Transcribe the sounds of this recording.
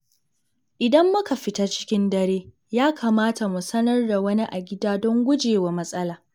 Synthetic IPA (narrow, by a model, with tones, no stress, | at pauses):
ʔɪ˨dɐ˦mːʊ˦ka˨ɸɪ˦ta˦t͡ʃɪ̥˦kʲɪ˦ndɐ˦ɾeː˦ | jaː˦kʰaː˨maː˦ta˨mu˨sɐ˦nɐ˦rda˨wɐ˦ni˦ʔa˨ɡʲɪ˦daː˦dɔ˦ŋɡʷʊ˦d͡ʒeː˨waː˨mɐ˦sʼɐ˦laː˨